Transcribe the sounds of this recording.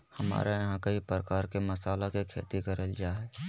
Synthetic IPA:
hɐma̰ːɾajɐɦãkɐɦipɾəkaːɾkemɐsaːlakekʰḛːt̪ikəɾəld͡ʒaːɦɛː

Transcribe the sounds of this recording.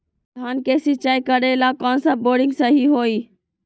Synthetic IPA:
d̪ʱaːnkeːsit͡ʃaːikəɾelaːkɔ̃ːnsəboːɖɪ̃ŋɡsaɦiɦoːiː

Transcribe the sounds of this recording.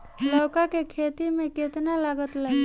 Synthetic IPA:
lɔːkakekʰet̪imẽkɪt̪nalaɡət̪la

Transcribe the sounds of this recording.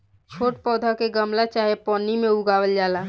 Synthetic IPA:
t͡ʃʰoːʈpɔːd̪ʱakeɡəmlat͡ʃaːɦepɔːnimẽʊɡaːwəld͡ʒaːlaː

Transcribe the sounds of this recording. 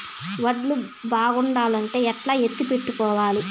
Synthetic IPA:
ʋɐɖlu | baːɡuɳɖaːlɐɳʈe̞ːɛʈlaːɦet̪ːupe̞ʈːukɔːʋaːli

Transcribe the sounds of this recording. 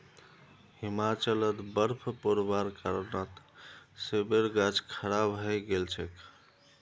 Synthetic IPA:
himat͡ʃələt̪bəɾpʰpoɾbaɾkəɾnət̪ | sebeɾɡad͡ʒkʰəɾabɦəjɡelt͡ʃʰɛk

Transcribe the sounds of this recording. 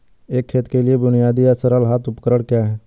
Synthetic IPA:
eːkʰːeːt̪keliebʊnɪjaːd̪ijasəɾəlɦaːt̪ʊpkəɾəɽ̃kjaːɦɛː

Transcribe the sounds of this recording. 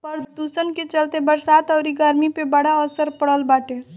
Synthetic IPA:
pəɾd̪usənket͡ʃəlt̪ebəɾsat̪ɔʊɾiɡəɾmipebəɽaəsəɾpəɽəlbaːʈe

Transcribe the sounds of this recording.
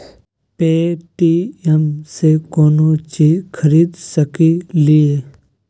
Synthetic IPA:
peːʈiɛmsekoːnot͡ʃiːd͡ʒkʰəɾiːd̪səkilɪeː

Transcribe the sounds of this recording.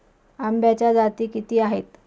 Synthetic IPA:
ambjat͡ɕjad͡zat̪iːkit̪iːaɦet̪

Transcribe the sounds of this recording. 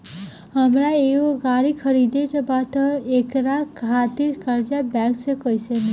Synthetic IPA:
ɦəmɾaeoɡaɾikʰəɾid̪et̪bat̪əekɾakʰat̪iɾkəɾd͡ʒabɛksẽkəjsən

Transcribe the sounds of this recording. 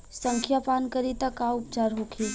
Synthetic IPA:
sə̃ŋkʰjapaːnkəɾit̪akaʊpt͡ʃaːɾɦokʰeː

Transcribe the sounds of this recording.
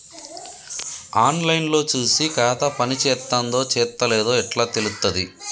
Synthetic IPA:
aːnlɐjnlo̞ːt͡ʃuːsikaːt̪ɐpɐnit͡ʃɛːt̪ːand̪o̞ːt͡ʃɛːt̪ːɐleːd̪o̞ːɛʈlaːt̪elut̪ːɐd̪i

